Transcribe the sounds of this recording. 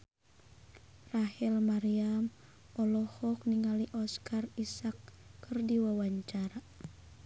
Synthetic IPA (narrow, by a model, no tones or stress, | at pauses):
rahilmaɾiam | ɔlɔhɔk̚niŋaliʔɔskarisakːɨrdiwawaɲt͡ʃaɾa